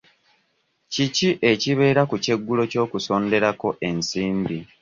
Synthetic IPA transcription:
ciciʔe̞ciβe̞ːɾakuce̞ɡːulo̞co̞ːkusoːnde̞ɾako̞ʔe̞nsiːmbi

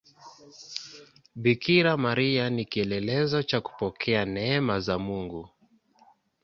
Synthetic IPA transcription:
ɓikiɾamaɾianikiɛlɛlɛzɔt͡ʃaku̥pɔkʰɛanɛɛmazamuŋɡu

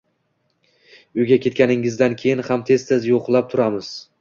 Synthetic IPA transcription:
ʊjɡʲakʲʰe̞t̪̚kʲanɪŋɪzd̪ankʲʰe̞jɪnhamt̪ʰe̞st̪ʰezjoqlˠap̚t̪ʰʊɾamɪz̥

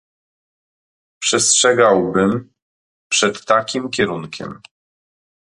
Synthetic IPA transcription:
pʂɛstʂɛɡawbɘm | pʂɛt̪ːakʲimkʲɛɾuŋkʲɛ̰m

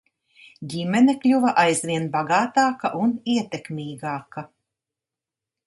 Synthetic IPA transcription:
ɟimɛnɛklʲuvɐʔajzvʲiɛnbaɡɑːt̪ɑːkɐʔuniɛt̪ekmʲiːɡɑːkɐ

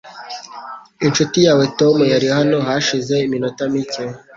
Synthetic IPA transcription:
inʃotijaːwe̞tomujaɾihano̞ɦaʃize̞iminotamicen

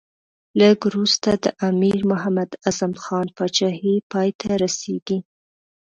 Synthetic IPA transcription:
ləɡɾust̪ad̪əʔamiɾmʊɦamad̪azamxɑnpɑt͡ʃɑhipɑjt̪ʰaɾaseɡi

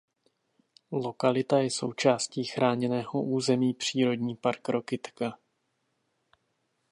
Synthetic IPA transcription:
lo̞kalɪt̪ajɛso̞̰wt͡ʃaːsciːxɾʔaːɲɛnɛːɦoʔuːzɛmiːpr̝̥iːɾo̞dɲiːpaɾkɾo̞kɪt̪ka

